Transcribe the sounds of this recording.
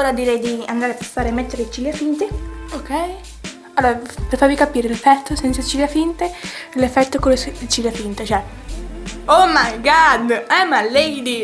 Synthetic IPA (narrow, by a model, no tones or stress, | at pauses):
oɾad̪iɾɛjd̪iand̪aːɾeapastaːɾemːet̪ːeɾet͡ʃiljafint̪eokɛj | alːoːɾapɾefaɾvikapiːɾelefːɛt̪ʰːosɛnt̪sat͡ʃiljafint̪elefːɛt̪ːokolest͡ʃiljafint̪at͡ʃoɛ | omajɡad̪ɛmalːɛjd̪i